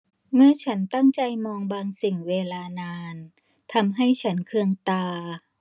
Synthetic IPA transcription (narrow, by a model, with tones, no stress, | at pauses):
mɯ˧˩ɐt͡ɕʰa˦˥nt̪a˥˩ŋt͡ɕa˧jmɔː˧ŋbaː˧ŋsi˨˩ŋweː˧laː˧naː˧n | t̪ʰa˧mɦa˥˩jt͡ɕʰa˦˥nkʰɯ˧əŋt̪aː˧